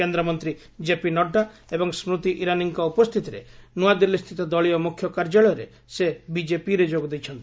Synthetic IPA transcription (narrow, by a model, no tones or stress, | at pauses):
end̪ɾɔmɔnt̪ɾi | d͡ʒepinɔɖːaebɔŋsmɾut̪iʔiɾaniŋkɔupɔst̪ʰit̪iɾḛnuad̪ilːist̪ʰit̪ɔd̪ɔɭiɔmukʰːjɔkaɾd͡ʒaɭɔjɔɾe | sebid͡ʒepiɾed͡ʒoɡɔd̪ejt͡ʃʰɔnt̪i